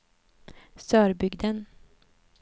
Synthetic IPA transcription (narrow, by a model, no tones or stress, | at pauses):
sœːɾbʏɡd̪ən